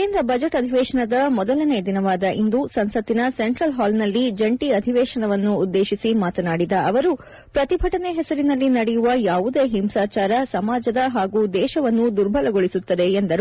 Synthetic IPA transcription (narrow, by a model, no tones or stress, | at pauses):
keːnd̪ɾɐbɐd͡ʒɐʈɐd̪ʱiʋɛːʃɐɳɐd̪ɐmɔd̪ɐlɐne̞d̪inɐʋaːd̪ɐʔind̪usɐnsɐt̪ːinɐse̞ɳʈɾɐlɦaːlnɐlːid͡ʒɐɳʈiɐd̪ʱiʋɛːʃɐnɐʋɐnːuːd̪ːe̞ːʃisimaːt̪ɐnaːɽid̪ɐʔɐʋɐɾu | pɾɐt̪ibʱɐʈɐneɦɛsɐɾinɐlːinɐɽɛjuʋɐjaːʋud̪e̞ːɦimsaːt͡ʃaːɾɐsɐmaːd͡ʒɐd̪ɐɦaːɡuːd̪ɛːʃɐʋɐnːud̪uɾbʱɐlɐɡo̞ɭisut̪ːɐd̪e̞end̪ɐɾu